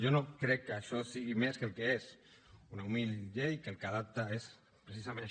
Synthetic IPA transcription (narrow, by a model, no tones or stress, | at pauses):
ʒonokɾɛkːəaʃɔsiɣimeskəelˠkeez | unaumilʎejkəlkað̞ap̚t̪aes | pɾesizamẽna